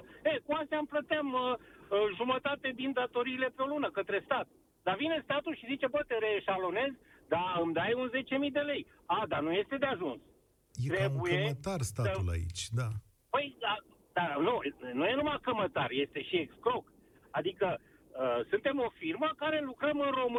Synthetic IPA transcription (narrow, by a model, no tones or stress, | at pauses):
ekuast̪ʲamplət̪eaməʒumət̪at̪e̞d̪ind̪at̪o̞ɾiːle̞pɾeo̞lunəkət̪ɾe̞st̪at̪̚ | d̪avine̞st̪at̪ulʃizit͡ʃe̞bət̪eɾe̞ʃalo̞ne̞z | d̪aɨmd̪ajunze̞t͡ʃe̞mijd̪e̞le̞j | ad̪anuje̞st̪e̞d̪eaʒuns | jteɾeukjəemət̪arst̪at̪ula̰ḭt͡ʃʲd̪a | pəja | d̪anunujenumakəmət̪arje̞st̪e̞ʃieksklo̞k | ad̪ikə | əsɨnt̪e̞mo̞firməkaɾe̞lukɾəmɨnro̞mɨ